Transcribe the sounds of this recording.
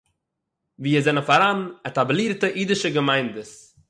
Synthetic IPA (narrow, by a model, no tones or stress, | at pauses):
viːəzɛnəfaɾanɛtablˠiːɾtəʔiːdɪʃəɡəmaɪndəs